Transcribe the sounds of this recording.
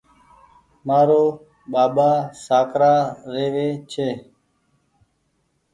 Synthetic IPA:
maːɾoː | ɓaːɓaːsaːkɾaːɾeːʋeːt͡ʃʰeː

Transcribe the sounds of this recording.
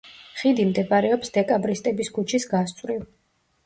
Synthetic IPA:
χid̪imd̪ɛbɾɛɔpsd̪̥ɛkʼabɾist̪ʼɛbiskut͡ʃʰisɡast̪sʼɾiv

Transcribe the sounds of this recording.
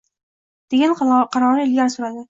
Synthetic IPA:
d̪̥eɡʲanqʰɑɾɒnɪɪlɡʲansʊɾad̪ɪ

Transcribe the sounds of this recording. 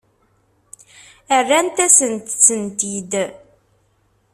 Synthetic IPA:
ərːænt̪æsənt̪sːənt̪id̪

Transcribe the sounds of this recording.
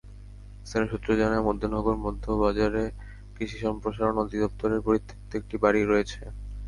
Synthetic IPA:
est̪ʰaneʃut̪ːɾod͡ʑanaemod̪ʱːonɔɡoɾmɔd̪ʱːobad͡ʑaɾe | kɾiʃiʃɔmpɾoʃaɾonod̪id̪ɔp̚t̪oɾeɾpoɾit̪ʰːe̥kt̪oek̚ʈibaɽiɾoet͡ɕʰe

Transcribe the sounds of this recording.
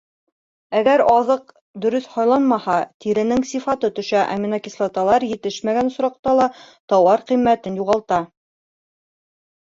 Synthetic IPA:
æɡæɾɑðɤq | d̪ɵ̆ɾɵθhɑjlˠɑnmɑhɑt̪iɾɘ̆nɘŋsifɑt̪ɤt̪ɵ̆ʃæʔæ̰minɑkislˠɑt̪ɑlˠɑɾjɘ̆t̪ɘʃmæɡænŏsɾɑq̚t̪ɑlˠɑ | t̪ɒwɑɾqimːæt̪ɘnjuʁɑlˠt̪ɑ

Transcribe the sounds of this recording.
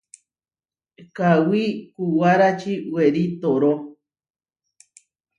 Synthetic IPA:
kawikuwaɾat͡ʃiweɾit̪oɾo

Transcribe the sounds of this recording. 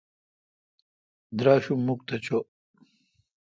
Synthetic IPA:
d̪ɾaːɕumːuk̚t̪ɐt͡ɕo

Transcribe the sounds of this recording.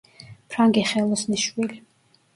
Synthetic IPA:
pʰɾaŋɡiχɛlˠɔsniʃwili

